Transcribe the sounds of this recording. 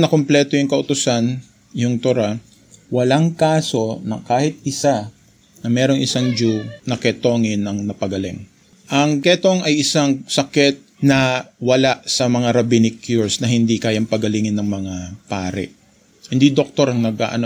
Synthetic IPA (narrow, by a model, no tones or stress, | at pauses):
nɐkomplɛːt̪ojʊŋkɐʔʊt̪ʊsan | jʊŋt̪oɾa | wɐlaŋkaːso̞nɐ̰kaːhɪt̪̚ɪsa | nɐmɛːɾo̞ŋʔɪsaŋd͡ʒunɐkɛt̪o̞ːŋɪnɐŋnɐpɐɡɐlɪ̰ŋ | ʔɐŋkɛt̪oŋɐjɪsaŋsɐkɛt̪̚nɐwɐlaʔsɐmɐŋaɾɐbinɪkːjuɹsnɐɦɪnd̪ikaːjaŋpɐɡɐliŋɪnːɐŋmɐŋapaːɾɛ̰ | hɪnd̪id̪ok̚t̪o̞ɾɐŋnɐɡʔa̰ːʔɐno